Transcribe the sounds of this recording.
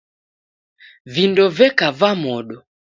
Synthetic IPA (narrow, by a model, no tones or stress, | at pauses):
vindɔvɛkavamɔɗɔ